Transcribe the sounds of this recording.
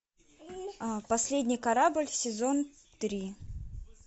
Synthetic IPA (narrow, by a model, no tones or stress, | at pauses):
pɐsʲlʲedʲnʲɪjkɐɾabɨlʲsʲɪzo̞n | t̪ɾʲi